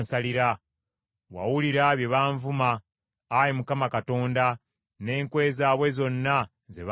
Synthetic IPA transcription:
saliɾa | wa̰wuliɾaβje̞βaːɱvumaː | jemukamakato̞ːnda | ne̞ːŋkwe̞ːzaːβwe̞zo̞nːa | zḛβ

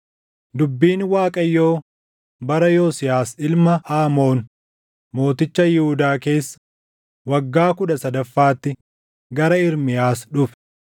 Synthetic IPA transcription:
d̪ʊbːiːnwaːkʼɐjːo̞ː | bɐɾɐjoːsɪjaːsɪlmɐʔaːmo̞ːn | mo̞ːt̪ɪt͡ʃːɐjɪhʊd̪aːke̞ːsːɐ̥ | wɐɡːaːkʊᶑɐsɐd̪ɐfːaːt̪ːɪ | ɡɐɾɐɪɾmɪjaːsᶑʊf

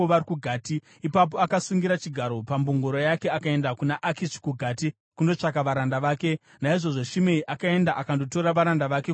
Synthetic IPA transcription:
oʋaikuɡʱaːtiː | pap̬o̞akasuŋɡiɾat͡ʃiɡʱaɾo̞pamboŋɡoɾojake̞akae̞ndakunaʔakisi̥kuɡʱaːti | kundo̞t͡ʂak̬aʋaɾandaʋaːke̞ | naiʐo̞ʐo̞ʃimeiʔakae̞ndaʔakando̞to̞ɾaʋaɾandaʋake

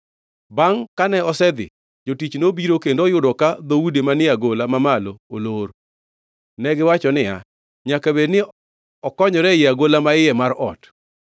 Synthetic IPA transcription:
baŋkanɛɔsɛd̪ɪ̰ | d͡ʒotit͡ʃnobiɾokendojʊdɔkad̪owudemanɪaɡolamamalooloɾ | nɛɡɪwat͡ʃɔnɪja̰ | ɲakabednɪ | ɔkɔɲɔɾɛjɪaɡolamaɪɛmaɾɔt

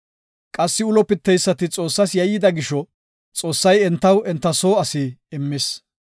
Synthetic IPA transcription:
kʼɐsːɪʊlɔpɪt̪ːɛjsːɐt̪ɪt͡sʼo̞ːsːɐsjɐjːɪd̪ɐɡɪʃɔ | t͡sʼo̞ːsːɐjɛnt̪ːɐwɛnt̪ːɐso̞ːɐsɪɪmːɪs

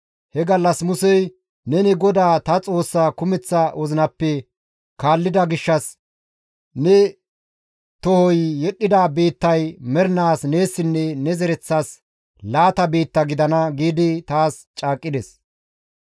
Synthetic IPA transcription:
hɛɡɐlːɐsmʊsɛj | nɛnɪɡɔd̪aːt̪ɐt͡sʼo̞ːsːaːkʊmɛt͡sːɐwɔzɪnɐpːɛ | kaːlːɪd̪ɐɡɪʃːɐs | nɛ | t̪ɔhɔjːɛɗːɪd̪aːbe̞ːt̪ːɐjmɛɾnaːsne̞ːsːɪnːɛnɛzɛɾɛt͡sːas | laːt̪ɐbe̞ːt̪ːɐɡɪd̪ɐnɐɡiːd̪ɪt̪aːs | t͡ʃʼaːkʼːɪd̪ɛs

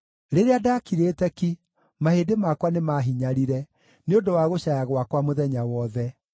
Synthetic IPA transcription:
ɾeɾeadakiɾeːtɛki | maheːdemakwanemaɦiɲaɾiɾɛ | neodowaɣoɕajaɣwakwamoðɛɲawɔðɛ

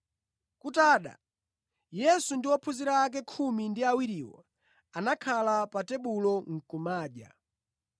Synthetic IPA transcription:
kutaːɗa̰ | jɛsundiwɔpʰuziɾaːk̬ɛkʰumindiawiɾiwɔ̰ | anakʰalapatɛɓulɔŋ̩kumaːʄa̰

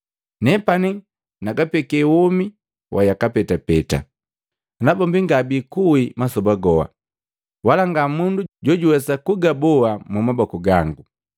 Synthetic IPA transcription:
nɛpani | naɡapɛkɛwɔmi | wʔajakapɛtapɛta̰ | nabɔmbiŋɡabikuimasɔbaɡɔha̰ | walaŋɡamunduɟɔɟuwɛsakuɡabɔamumabɔkuɡaŋɡu

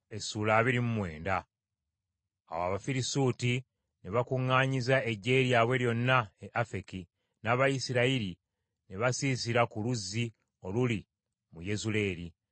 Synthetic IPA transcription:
e̞suːlaːβiɾimumwe̞ːnda | a̰wa̰βafiɾisuti | neβakuŋːaːɲizae̞ɟːe̞ːɾjaβwe̞ljo̞nːaeʔafe̞ki | naβajisiɾaiɾi | neβasiːsiɾakuluzːi | oluli | muje̞zule̞ːɾi

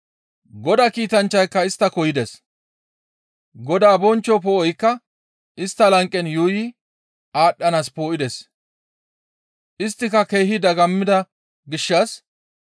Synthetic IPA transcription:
ɡɔd̪ɐkiːt̪ɐnt͡ʃːɐjkːɐɪst̪ːɐkɔjɪd̪ɛs | ɡɔd̪aːbɔnt͡ʃːɔpoːʔɔjkːɐ | ʔɪst̪ːɐlɐŋkʼːɛnjuːjɪ | aːɗːɐnaːspo̞ːʔɪd̪ɛs | ʔɪst̪ːɪkɐke̞ːɦɪd̪ɐɡɐmːɪd̪ɐ | ɡɪʃːɐs

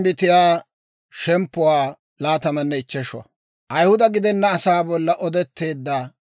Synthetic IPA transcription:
bɪt̪ɪjaː | ʃɛmpːʊwaː | laːt̪ɐmɐnːɛɪt͡ʃːɛʃʊɐ̰ | ʔɐjhʊd̪ɐɡɪd̪ɛnːɐːsaːbɔlːɐʔɔd̪ɛt̪ːe̞ːd̪ːa

